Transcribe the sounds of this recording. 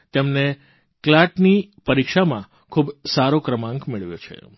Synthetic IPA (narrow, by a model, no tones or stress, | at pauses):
t̪emne | klaʈnipəɾikʃamã | kʰubsaɾokɾəmãŋkmeɭʋjo̰t͡ʃʰḛ